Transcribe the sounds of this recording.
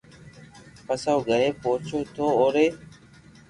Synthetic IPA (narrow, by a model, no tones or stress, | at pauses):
pəsawɡʱəɾeːpoːt͡ʃʰoːt̪ʰoːoːɾeː